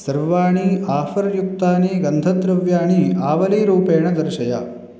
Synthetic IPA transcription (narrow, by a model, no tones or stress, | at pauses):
sɐɾʋaːɳiaːfɐɾjukt̪aːniɡɐnd̪ʱɐd̪ɾɐʋjaːɳiaːʋɐliːɾuːpeːɳɐd̪ɐɾʃɐja̰